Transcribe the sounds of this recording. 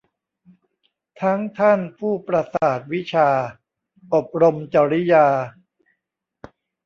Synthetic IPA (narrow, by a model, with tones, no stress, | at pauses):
t̪ʰa˦˥ŋt̪ʰa˥˩npʰuː˥˩pɾa˧saː˨˩t̪̚wi˦˥t͡ɕʰaː˧ | ʔo˨˩p̚ɾo˧mt͡ɕa˧ɾi˦˥jaː˧